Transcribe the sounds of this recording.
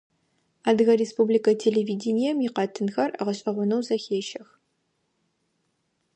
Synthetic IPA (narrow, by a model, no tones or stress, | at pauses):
aːdɣɐɾespublikɐtʰeːleːviːdenijɛmjɪqɐtʰɨnxɐrɐʁɐɕʼɐʁʷʊnɐwzɐxeːʃɐx